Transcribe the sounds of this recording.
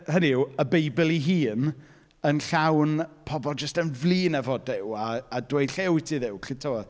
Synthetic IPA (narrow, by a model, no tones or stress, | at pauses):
həniəbejbɪlˠiɦiːn | ənɬawnpʰɔbɔlˠd͡ʒəstənvlˠiːnɛvɔdɪwaːdwejdɬewtʰiðɪwkʰɪtʰo